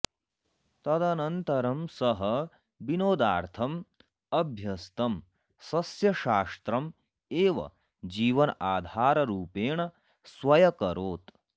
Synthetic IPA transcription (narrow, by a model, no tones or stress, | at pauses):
t̪ɐd̪ɐnɐnt̪ɐɾɐmsɐɦɐ | binoːd̪aːɾt̪ʰɐm | ɐbʱjɐst̪ɐm | sɐsjɐʃaːst̪ɾɐm | eːʋɐ̰ | d͡ʒiːʋɐnɐʔaːd̪ʱaːɾɐɾuːpeːɳɐ | sʋɐjɐkɐɾoːt̪